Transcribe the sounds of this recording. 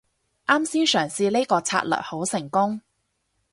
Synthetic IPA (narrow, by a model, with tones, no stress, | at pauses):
ʔaː˥msiː˥nsœː˨˩ŋsiː˧le˥kɔː˧t͡sʰa̰ː˧t̚lœ̰ː˨˩ho˨˥wsɪ˨˩ŋkʊ˥ŋ